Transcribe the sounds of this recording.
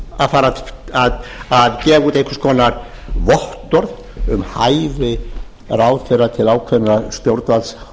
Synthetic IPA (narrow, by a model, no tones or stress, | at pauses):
aðfaːɾaaðaðcɛːvuːt̪ehkʏ̥skʰɔːnaɾ | vɔht̪ɔɾð | ʏmhajvɪ | ɾaːwθɛejrːat̪ʰɪlaːwkʰvɛnɾast̪jowɾt̪vals